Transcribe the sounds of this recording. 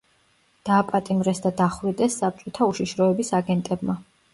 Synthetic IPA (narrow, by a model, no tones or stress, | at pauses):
d̪̥aːpʼat̪ʼimɾɛsd̪ad̪aχwɾid̪ɛsːap̚t͡ʃʼɔt̪ʰauʃiʃɾɔɛbisaɡɛnt̪ʼɛbma